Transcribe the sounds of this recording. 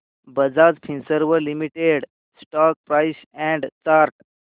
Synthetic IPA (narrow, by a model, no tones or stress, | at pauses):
bəd͡zad͡zpʰĩnsəɾʋəɾlimiʈeɽ | sʈɔk̚pɾaɪs | ɛ̃ɳɖt͡ʃaɾʈ